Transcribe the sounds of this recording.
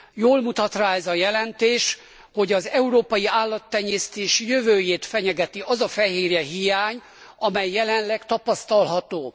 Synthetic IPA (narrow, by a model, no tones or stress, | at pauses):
joːlmut̪ɒt̪raːɛzɒjɛlɛnt̪eːʃ | ho̞ɟɒzɛuɾoːpɒjiaːlːɒt̪ːɛɲeːst̪eːʃijøvøːjeːt̪fɛɲɛɡɛt̪iʔɒzɒfɛɦeːɾɛɦijaːɲ | ɒmɛjːɛlɛnlɛɡt̪ɒpɒst̪ɒlɦɒt̪oː